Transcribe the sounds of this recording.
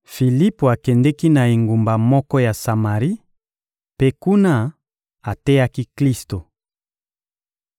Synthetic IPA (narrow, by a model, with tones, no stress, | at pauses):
fi˨li˦po˨a˨kɛ˨ndɛ˦ki˦na˨i˨ŋɡu˨mba˨mɔ˦kɔ˦ja˨sa˨ma˨ʁi˦ | pe˦ku˦na˦ | a˨tɛ˦ja˦ki˦kli˦sto˨